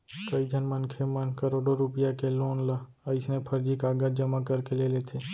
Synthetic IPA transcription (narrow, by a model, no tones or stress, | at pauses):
kəid͡ʒʱənmənkʰemənkəɾoːɖoɾʊpɪjakeloːnla | ɪsnepʰəɾd͡ʒikaːɡad͡ʒəmakəɾkeleleːt̪ʰeː